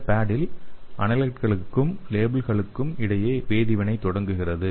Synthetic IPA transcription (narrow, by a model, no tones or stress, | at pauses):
paːɽɪlʔɐnɐlɐʈ̚kɐɭɯkːɯmleːbɪlɣɐɭɯkːɯmɪɽɐjeːʋeːðɪʋɐnɐɪt̪ːɔɽɐŋɡɯɣɪrɐðɯ